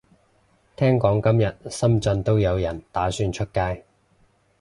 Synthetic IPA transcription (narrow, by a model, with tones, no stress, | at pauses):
t̪ʰɛː˥ŋkɔː˨˥ŋkɐ˥mjɐ˨t̚sɐ˥mt͡sɐ˧nt̪o˥wjɐ˨˧wjɐ˨˩nt̪aː˨˥syː˥˧nt͡ʃʰɵ˥t̚kaː˧˥j